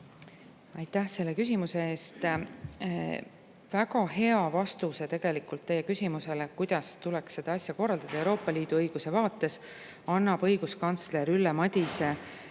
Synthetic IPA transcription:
ɑjt̪ˑːæhse̞lːekys̬ʲimuse̞e̞ːst̪ | væɡɑhe̞ɑvɑst̪uset̪e̞ɡ̥e̞likːˑult̪ːe̞je̞kysʲimuse̞lekujd̪̥ɑst̪ulɛksːe̞d̪̥ɑɑsʲjɑko̞rːɑld̪ɑd̪̥ɑe̞wɾo̞ːpːˑɑliːd̪̥uɤjɡ̥use̞vɑːt̪ːˑe̞s | ɑnːɑb̥ɤ̞jɡ̥uskɑnt̪sle̞ɾylːemɑd̪̥ʲise

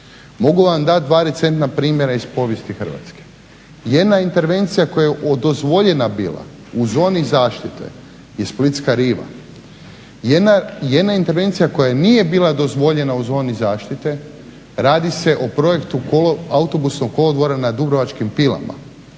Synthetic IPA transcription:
mo̞ɡuʋamd̪at̪̚d̪ʋaːɾet̪se̞nt̪napɾiːmjeɾaispo̞ʋje̞st̪ixr̩ʋa̰t̪ske̥ | jed̪naint̪e̞ɾʋe̞nt̪sijako̞jaeʔod̪o̞zʋo̞ʎe̞nabiːlˠa̰ | uzo̞ːnizaːʃt̪it̪e̞̰ | jesplit̪skaɾiːʋa̰ | jeajed̪naint̪eɾʋe̞nt̪sijako̞janije̞biːlad̪o̞zʋo̞ʎe̞nauzo̞ːnizaːʃt̪it̪e̞ | ɾaːd̪ise̞ʔo̞pɾo̞je̞kt̪ukoloaut̪o̞busnoɡkːo̞lod̪ʋo̞ɾanad̪ubɾoʋat͡ʃkimpila̰ma̰

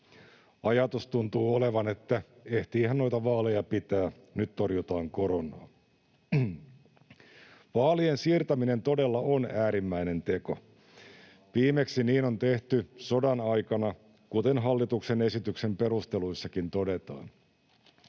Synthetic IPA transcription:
ɑjɑt̪ust̪unt̪uːoleʋɑnet̪ːæ | e̞ht̪iːhænno̞jt̪ɑʋɑːle̞jɑpit̪æː | nyt̪t̪orjut̪ɑːŋkoɾonˑɑ̰ː | ʋɑːliensiːrt̪ɑmine̞nt̪o̞de̞lːɑonæːɾimːæine̞nt̪e̞ko̞̰ | ʋiːmeksiniːno̞nt̪e̞ht̪yso̞dɑnɑjkɑnɑ | kut̪enɦɑlːit̪uksene̞sit̪ykse̞mpe̞ɾust̪e̞luisːɑkint̪o̞de̞t̪ɑ̰ːn

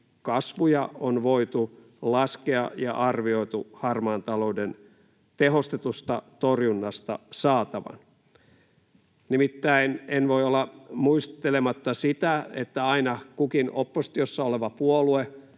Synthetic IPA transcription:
kɑsʋujɑonʋoit̪u | lɑskeɑjɑ̰ʔɑrʋio̞it̪uhɑrmɑːnt̪ɑlo̞uden | t̪eɦo̞st̪et̪ust̪ɑt̪orjunːɑst̪ɑ̰sɑːt̪ɑʋɑ̰n | nimit̪ːæinenʋoiolːɑmuist̪elemɑt̪ːɑsit̪æḛt̪ːæɑinɑkukinopːost̪iosːɑoleʋɑpuolue

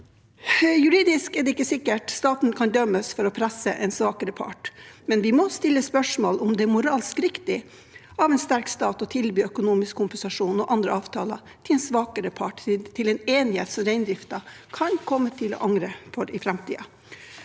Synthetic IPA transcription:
jʉɾiːd̪ɪskɛɖɛɪkːəsɪkːəʈst̪ɑːt̪n̩kʰɑnd̪œmːəsfɔɾɔpʰɾæsəʔɛnsʋɑːkəɾəpʰɑ̰ʈmɛnʋɪmɔst̪ɪlːəspœʂmoːlʊmd̪ɛæmʊɾɑːlskɾɪkt̪ɪ | ɑʋɛnst̪æɾkst̪ɑːt̪ɔt̪ʰɪlbyːœkʊnuːmɪskʰːʊmpɛnsɑʂuːnɔʔɑnd̪ɾəɑːʋt̪ʰɑːlɑ | t̪ʰɪlɛnsʋɑːkəɾəpʰɑʈt̪ʰɪlɛneːnɪhḛːt̪sɔmɾæɪnd̪ɾɪft̪ɑ | kʰɑnkʰɔmːət̪ʰɪlɔ̰ːʔɑŋɾəfɔɾɪfɾɛmt̪ʰḭːɑ̰

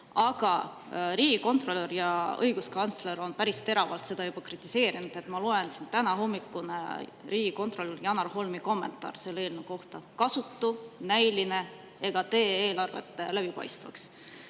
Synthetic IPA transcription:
ɑɡ̥ɑ | ɾiːɡ̥iko̞nt̪ˑro̞lːørjɑɤjɡ̥uskɑnt̪sle̞ɾo̞npæɾist̪e̞ɾɑvɑlt̪se̞d̪ɑjub̥ɑkrit̪ˑːise̞ːɾinud̪̥e̞t̪mɑloe̞nsind̪̥t̪ænɑɦo̞mːikːˑunḛriːɡ̥iko̞nt̪ro̞lrjɑnɑɾho̞lmiko̞mːe̞nt̪ˑɑ̰ːrse̞lːe̞ːlnuko̞ht̪ɑkɑsut̪ːunæjline̞ | e̞ɡ̥ɑt̪e̞ːeːlɑrve̞̰t̪ːˑelæb̥ipɑ̰jst̪vɑ̰ks

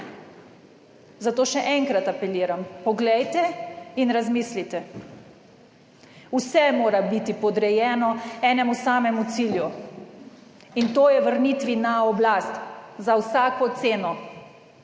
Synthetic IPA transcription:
zat̪oːʃɛʔɛŋkɾat̪apɛliːɾampɔɡlɛjt̪ɛinɾazmislit̪ɛ | usɛmoːɾabit̪ipɔd̪ɾɛjɛːnɔɛːnɛmusaːmɛmut̪silju | int̪oːjɛʋəɾnit̪ʋinaɔblast̪zawsaːkɔt̪seːnɔ

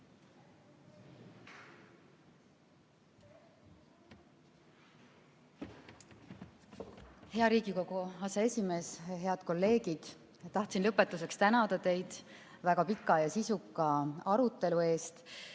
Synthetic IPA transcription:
he̞ɑɾiːɡiko̞ɡ̥uɑsee̞sʲime̞ːsɦe̞ɑd̪̥ko̞lːe̞ːɡ̥id̪̥ | t̪ːɑht̪sinlɤpːˑe̞t̪ːˑus̬e̞kst̪ænɑd̪̥ɑt̪e̞jd̪̥ | væɡ̥ɑpikːˑɑjɑsisukˑːɑɑɾut̪ːˑe̞lue̞ːst̪

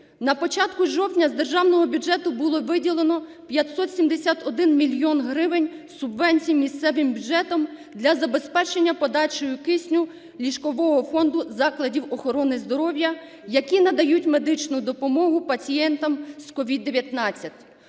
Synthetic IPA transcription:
nɐpɔt͡ʃɑt̪kʊʒɔwt̪ʲnʲɐzd̪e̞rʒɑwnɔɦɔbʲud͡ʒɛt̪ʊbʊlˠɔʋɪdʲilˠenɔ | pʲjɐt̪sɔt̪sʲimd̪esʲat̪ɔd̪ɪnmʲilʲjɔnɦɾɪʋɪnʲsʊbʋɛnʲt͡sʲijmʲist̪sɛʋɪmbʲʊd͡ʒɛt̪ɔmd̪lʲɐzɐbe̞spɛt͡ʃenʲːɐpɔd̪ɑt͡ʃɔjʊkɪsʲnʲʊ | lʲiʃkɔʋɔɦɔfɔnd̪ʊzɑklˠɐdʲiwɔxɔɾɔnɪzd̪ɔɾɔwjɐ | jɐkʲinɐd̪ɐjutʲmed̪ɪt͡ʃnʊd̪ɔpɔmɔɦʊpɐt͡sʲijɛnt̪ɐmskɔʋʲid̪ːeʋʲjɐt̪nɑt͡sʲːɐtʲ

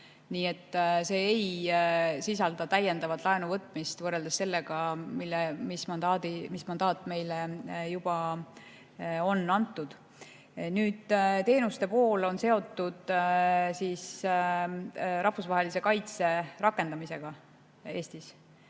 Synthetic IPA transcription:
niːe̞t̪ːse̞ːej | sis̬ɑld̪̥ɑt̪æjːe̞nd̪ɑvɑt̪lɑenuvɤt̪ːˑmist̪vɤrːe̞ld̪ese̞lːe̞ɡ̥ɑmilːemismɑnd̪ɑːd̪imismɑnd̪̥ɑːt̪ːˑme̞jlejub̥ɑ | o̞nːɑnt̪ːud̪̥ | nyːd̪̥t̪e̞ːnust̪e̞po̞ːlo̞nse̞o̞t̪ːˑud̪̥siːs | ɾɑhfusvɑɦelise̞kɑjt̪se̞rɑkːˑe̞nd̪ɑmise̞ɡ̥ɑ | e̞ːst̪is

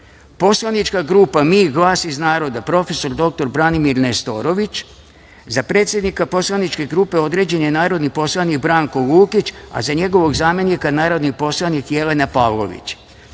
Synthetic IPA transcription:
po̞slˠanit͡ʃkaɡɾuːpamiːɡlˠaːsiznaːɾo̞d̪apɾo̞fe̞so̞ɾd̪o̞k̚t̪o̞ɾbɾanimiɾnest̪o̞ɾo̞ʋit͡ɕ | zapɾe̞t̪sʲje̞d̪nikapo̞slanit͡ʃke̞ɡɾupe̞o̞d̪ɾe̞ːd͡ʑe̞nenaːɾo̞d̪nipo̞slˠanikbɾaːŋkoluːkit͡ɕa̰zaɲe̞ɡo̞ʋo̞ɡzaːme̞nikanaːɾo̞d̪nipo̞slˠanikje̞lenapaʋlˠo̞̰ʋḭt͡ɕ

